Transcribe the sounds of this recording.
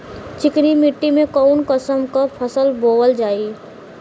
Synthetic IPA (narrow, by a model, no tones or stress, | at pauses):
t͡ʃɪknimɪʈːimẽkɔʊnkəsəmkapʰəsəlboːwəld͡ʒaːi